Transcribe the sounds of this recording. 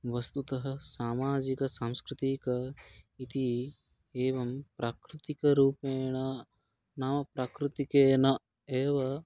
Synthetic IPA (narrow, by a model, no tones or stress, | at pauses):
ʋɐst̪ut̪ɐɦɐ̆saːmaːd͡ʒikɐsamskɾɪt̪ikɐit̪i | eːʋɐmpɾʔaːkɾɪt̪ikɐɾuːpeːɳɐ | naːmɐpɾaːkɾɪt̪ikeːnɐ | eːʋɐ